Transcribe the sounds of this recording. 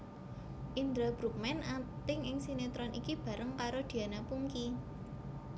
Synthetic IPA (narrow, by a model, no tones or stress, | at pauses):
ʔind̪ɾabɾuk̚mɛnat̪ɪŋɪŋsinet̪ɾɔnʔḭkib̥ä̤ɾəŋkaɾod̪̥i̤anapuŋki